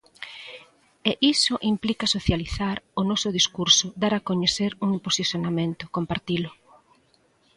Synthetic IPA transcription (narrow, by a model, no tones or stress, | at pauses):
eʔisʊʔimplikasoθjaliθaɾonɔsʊð̞iskuɾsʊd̪aɾakoɲeθeɾuŋimposiθjonamẽnt̪ʊ̥kompaɾt̪ilʊ